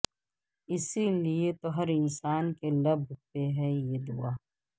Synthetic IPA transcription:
ɪsiliet̪oɦɐɾɪnsaːnkelɐbʱpeɦɛjed̪uaː

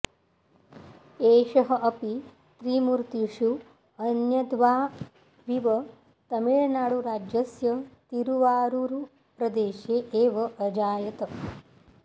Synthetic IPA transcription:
eːʃɐɦɐ̆ʔɐpi | t̪ɾiːmuɾt̪iʂu | ɐnjɐd̪ʋaː | ʋiʋɐ | t̪ɐmiɭɐnaːɽuɾaːd͡ʒjɐsjɐt̪iɾuʋaːɾuɾu | pɾɐd̪eːʃeːʔeːʋɐʔɐd͡ʒaːjɐt̪ɐ

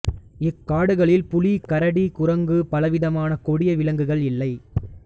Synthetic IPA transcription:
ɪkːaːɽɯɣɐɭɪlpʊlikɐɾɐɽikʊɾɐŋɡɯpɐlɐʋɪðɐmaːnɐkɔɽɪjɐʋɪlɐŋɡɯɣɐɭɪlːɐɪ

